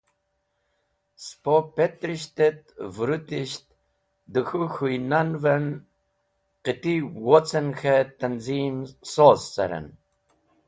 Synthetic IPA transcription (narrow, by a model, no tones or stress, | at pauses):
spopet̪ɾiʃt̪et̪vuɾut̪iʃt̪ | d̪ɨxuxujnanvɛn | qɨt̪iwɔt͡sənxɛt̪anzinsozːa̰ɾə̰n